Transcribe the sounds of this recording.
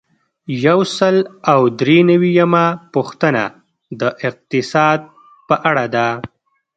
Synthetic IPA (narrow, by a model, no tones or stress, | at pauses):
jawsəlawd̪ɾenawijamapuxt̪əna̰ | d̪əʔɪq̚t̪ɪsɑd̪̚ | pəʔaɽad̪a